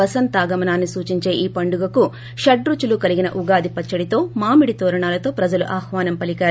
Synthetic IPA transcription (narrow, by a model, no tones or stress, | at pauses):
ɐsɐnt̪aːɡɐmɐnaːnːisuːt͡ʃiɲt͡ʃe̞ːʔiːpɐɳɖuɡɐku | ʃɐɖɾut͡ʃulukɐliɡinɐ̰ʔuɡaːd̪ipɐt͡ʃːɐɽit̪o̞ːmaːmiɽit̪oːɾɐɳaːlɐt̪o̞ːpɾɐd͡ʒɐlṵʔaːxʋaːnɐmpɐlikaːɾu